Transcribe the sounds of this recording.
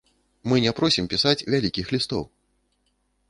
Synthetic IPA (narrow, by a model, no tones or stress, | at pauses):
mɨnʲɛpɾɔsʲimpʲisat͡sʲvʲalʲikʲixlʲist̪ɔ̰w